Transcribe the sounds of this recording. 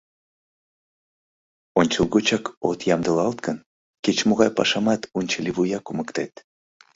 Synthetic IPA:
onʲt͡ɕəlˠɣut͡ɕɑko̰t̪jɑmd̪əlɑlt̪kən | ket͡ɕmoɣɑjpɑ̰ʃɑmɑt̪unʲt͡ʃəliβujɑkuməkt̪et̪

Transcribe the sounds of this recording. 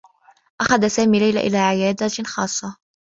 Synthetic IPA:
ʔaxad̪asaːmiːlajla̰ʔɪ̰laːʕɪjaːd̪axɑːsˤːɑ

